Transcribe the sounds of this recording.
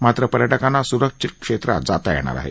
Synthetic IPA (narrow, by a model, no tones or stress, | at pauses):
mat̪ɾəpəɾjaʈəkãnːasuɾəkʂʂit̪̚kʂet̪ɾa̰d͡zat̪ajɛ̰ɽ̃a̰ɾa̰ɦḛ